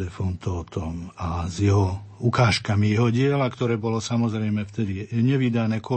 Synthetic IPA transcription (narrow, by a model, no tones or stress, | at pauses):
ɛfɔnt̪ɔːt̪ɔmazjɛɦɔukaːʃkamijɛɦɔɟɪɛlakt̪ɔɾɛːbɔlɔsamɔzɾɛjmɛft̪ɛd̪iɲɛʋid̪anɛːkɔ